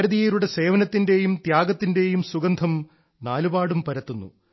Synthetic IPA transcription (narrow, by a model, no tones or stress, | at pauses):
ɾɐðijeɾuɽe̞se̞ːʋɐnɐt̪ːinde̞jumt̪jaːɡɐt̪ːinde̞jumsuɡɐnd̪ʱɐm | naːlubaːɽumpɐɾɐt̪ːunːṵ